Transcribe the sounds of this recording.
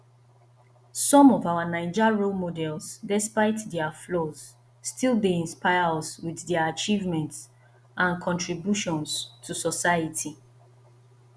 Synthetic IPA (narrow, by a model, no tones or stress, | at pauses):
sɔ̃mɔvawanãɪd͡ʒaɹolmodɛlsdɛspaɪtdɛaflɔz̥ | stʰilˠbiĩnspaɪaswiðdɛaat͡ʃivmɛ̃nts | ʔãnkʰɔ̃ntɹibjuʃɔ̃nstʰusɔsaɪatʰi